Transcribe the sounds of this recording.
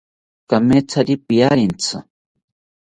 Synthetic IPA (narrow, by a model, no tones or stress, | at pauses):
kamet͡sʰaɾipijaɾint͡sɨ